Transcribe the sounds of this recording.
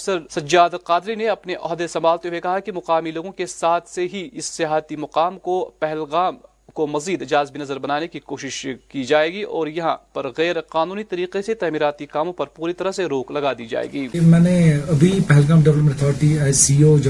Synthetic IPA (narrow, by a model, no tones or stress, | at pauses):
səɾsɐd͡ʒaːd̪lqaːd̪ɾineɐpneʔɔɦd̪esɐmbaːlt̪ewekɐɦakimɐqaːmiloːɡõkesaːt̪ʰseɦiɪsːɪjaːɦt̪imɐqaːmkopɛɦɛlɣaːm | komɐziːd̪d͡ʒaːzbnɐzəɾbɐnaːnekikoːʃɪʃkid͡ʒaːeːɡiʔɔːɾjɐɦã̰pɐɾɣɛːɾqaːnuːnit̪ɐɾiːqeset̪ɛːmiːɾaːt̪ikaːmõpɐɾpuːɾit̪ɐɾəɦseɾoːklɐɡad̪iːd͡ʒa̰ːḛːɡiːmɛ̃ːneɐbʱipɛɦlɣaːmɖɐblm̃nɐt̪ʰɔːɾɪʈiaːjsiːod͡ʒ